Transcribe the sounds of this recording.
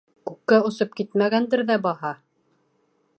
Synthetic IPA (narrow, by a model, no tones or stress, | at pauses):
kʉkːæŏsɤp̚kit̪mæɣænd̪ɘɾðæbɑhɑ